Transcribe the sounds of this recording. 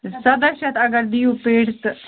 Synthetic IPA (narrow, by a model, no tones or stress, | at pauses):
səd̪əɕat̪ɐɡəɾd̪iupeɽt̪